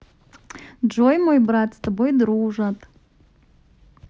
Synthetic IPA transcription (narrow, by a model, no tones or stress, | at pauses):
d͡ʒojmojbrat̪st̪abo̞jd̪ɾuʐat̪ʼ